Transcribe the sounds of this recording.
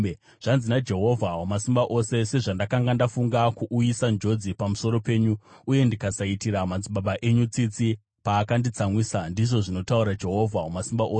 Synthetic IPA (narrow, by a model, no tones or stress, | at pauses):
ʐ̥anzinad͡ʒe̞ɦo̞vʱawomasimbaʔo̞se̞se̞ʐandakaŋɡandafuŋɡakuʔujisand͡ʒo̞d͡zipamuso̞ɾo̞pe̞ːɲu | uje̞ndikasaitiɾamad͡ziɓaɓaʔe̞ɲut͡sit͡si | paːkandit͡samwisandiʐo̞ʐino̞tauɾad͡ʒe̞ɦo̞vʱaɦomasimbaʔoːse